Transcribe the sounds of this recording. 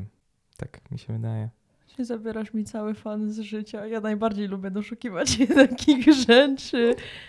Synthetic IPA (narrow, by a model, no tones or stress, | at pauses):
t̪ʰa̰kmʲḭɕɛvɘd̪ajɛ | aɲɛzabʲjɛɾaʂmʲit̪sawɘfanzʐɘt͡ɕajanajbaɾd͡ʑejlubʲjɛd̪ɔʂukʲivat͡ɕnakʲʰiɣʐɛt͡ʂɘ